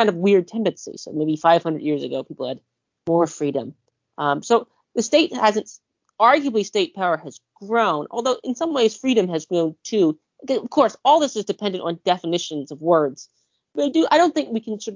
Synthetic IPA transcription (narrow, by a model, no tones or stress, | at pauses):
kʰãɪ̃ndʌvwɪɹd̚tʰɛ̃ndɨ̃nsḭsoʊmeɪbifaɪv̥hʌ̃ndɨ̰djɪɹzɨ̰ɡoʊpʰipl̩ˠɨd̚ | mɔɹfɹiɾɨ̰̃m | soʊ | ðɨsteɪt̚hæzɨ̃nt | ɑɹɡjɨblisteɪt̚pʰaʊə˞ɨzɡ̥ɹõʊ̃nʔɔ̰lˠðoʊʔɨ̃nsʌ̃mweɪz̥fɹiɾɨ̃mɨzɡɹõʊ̃ntʰʉ | ʌʌv̥kʰɔɹsɔlˠðɪsɨzdɨpʰɛ̃ndɨ̃ntn̩dɛfɨnɪʃɨ̃nzʌvwɜ˞dz̥ | bedɨʔaɪɾõʊ̃nθɪ̃ŋkwikʰn̩sɔɾʌ